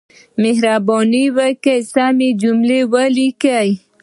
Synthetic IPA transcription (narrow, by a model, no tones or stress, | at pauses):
mehɾabɔniwakajsamid͡ʒumlewalikaj